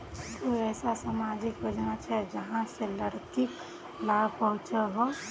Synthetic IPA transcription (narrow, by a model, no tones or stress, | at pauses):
d͡ʒoɛːsasaːmaːd͡ʒɪkjod͡ʒnat͡ʃʰɛd͡ʒəɦãseləɽkik | laːbpəɦʊ̃t͡ʃaɦo